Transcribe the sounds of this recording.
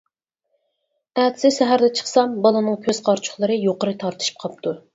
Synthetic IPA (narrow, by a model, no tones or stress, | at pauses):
æt̪ʰɪ̥sɪʃɛɦæɾd̪ɛt͡ʃʰə̥χsɑmbɑlˠɨnɨŋkʲʰøz̥qʰɑɾt͡ʃʰʊ̥χlˠɨɾɨjoqəɾɨt̪ʰɑɾt̪ʰɨ̥ʃi̥p̚qʰɑp̚t̪ʰu